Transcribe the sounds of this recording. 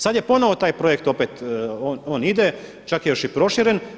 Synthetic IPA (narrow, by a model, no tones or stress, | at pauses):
sad̪je̞po̞noʋo̞t̪aːjpɾo̞jek̚t̪o̞pet̪onoːnid̪e | t͡ʃakjejo̞ʃipɾo̞ʃiɾe̞n